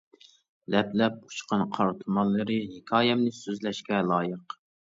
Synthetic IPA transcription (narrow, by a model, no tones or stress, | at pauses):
lɛplɛp̚ʰʊ̥t͡ʃqʰɑnqʰɑɾt̪ʰumɑlˠːɨɾɨɦekʲʰɑːjɛmnɪsøzlɛʃkʲɛlˠɑːjəq